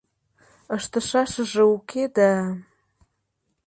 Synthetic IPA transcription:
əʃt̪ə̆ʃɑʃə̆ʒĕukʰed̪æ

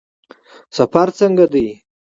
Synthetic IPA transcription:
safaɾt͡səŋɡad̪əj

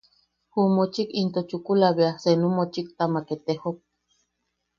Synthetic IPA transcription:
humot͡ʃikint̪ot͡ʃukulaβeasenumot͡ʃik̚t̪amaket̪ehok̚

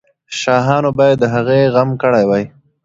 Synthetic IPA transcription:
ʃɑɦɑnobɑjad̪ːəɦaɣeɣamkəɽajwaj

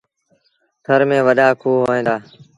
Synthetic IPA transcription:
sʰəɾmẽːʋəɗaːkʰoːɦoːẽːd̪aː

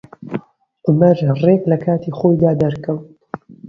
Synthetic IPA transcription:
ʔʊmɐɾreːklɐkʰaːt̪iːχoːjd̪aːd̪ɐɾkɨw

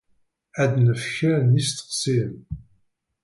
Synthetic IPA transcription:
æd̪nəfçəɾnist̪ə̥qsim

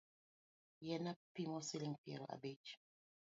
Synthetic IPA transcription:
jɛnapimɔsiliŋpiɛ̰la̰bet͡ʃ

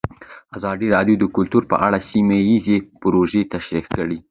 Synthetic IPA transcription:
azɑd̪iɾɑd̪jod̪əkʊlt̪uɾpə̰ʔaɽasimajizepʊɾoʒet̪aʃɾikkəɽi

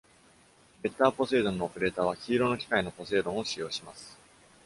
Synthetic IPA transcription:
be̞t̪ːaːpo̞se̞ːd̪õnːo̞ːpɯɾe̞ːt̪aːβ̞açʲiːɾo̞no̞kʲi̥kaino̞po̞se̞ːd̪õɰ̃o̞ɕijo̞ːɕimasɨ̥

